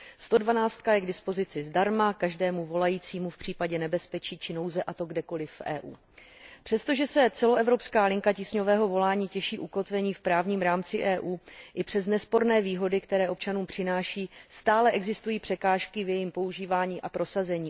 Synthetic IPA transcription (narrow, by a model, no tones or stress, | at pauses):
st̪o̞dvanaːt͡st̪̚kajɛɡdɪspo̞zɪt͡sɪzdaɾmakaʒdɛːmuvo̞lajiːt͡siːmufpr̥iːpaɟɛnɛbɛspɛt͡ʃiːt͡ʃɪno̞wzɛʔat̪o̞ɡdɛko̞lɪfʔɛ̰ːʔṵː | pr̝̥ɛst̪o̞ʒɛsɛt͡sɛlo̞ʔɛvɾo̞pskaːlɪŋkacisɲo̞vɛːɦo̞vo̞laːɲiːcɛʃiːʔuko̞t̪vɛɲiːfpɾaːvɲiːmɾaːmt͡sɪʔɛːʔuːʔɪpr̝̥ɛz̬nɛspo̞ɾnɛːviːɦo̞dɪkt̪ɛɾɛːʔo̞p̚t͡ʃanuːmpr̝̥ɪnaːʃiːst̪aːlɛʔɛɡzɪst̪ujiːpr̝̥ɛkaːʃkɪvjɛjimpo̞uʒiːvaːɲiːʔapɾo̞sazɛɲiː